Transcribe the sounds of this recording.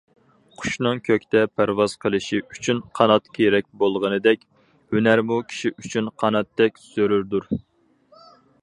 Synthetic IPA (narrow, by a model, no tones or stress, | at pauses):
qʰʊ̥ʃnɨŋkʲʰøkʲt̪ɛpʰæɾwɑz̥qʰəlˠɨʃiʔyt͡ʃʰynqʰɑnɑt̪kʲʰeɾɛk̚ʲbolˠʁənɨd̪ɛkʲ | hønæɾmukʲʰi̥ʃiʔyt͡ʃʰynqʰɑnɑt̪ːɛkʲsøɾyɾd̪uɾ